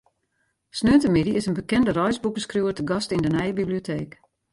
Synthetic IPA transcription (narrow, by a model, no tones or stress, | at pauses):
snøːntəmɪdiɪsənbəkɛndərɔjsbukəskrjuːətəɡɔstɪndənɛjəbiblijotʰeːk